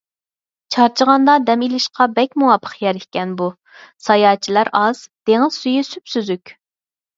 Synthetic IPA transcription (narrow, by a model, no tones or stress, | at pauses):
t͡ʃʰɑɾt͡ʃʰəʁɑnd̪ɑd̪ɛmilɪʃqɑbɛkʲmuwɑpʰə̥qjɛɾɪhʲkʲɛnbu | sɑjɑːt͡ʃʰilæɾɑz̥d̪̥eŋɪz̥syjisypsyzykʲ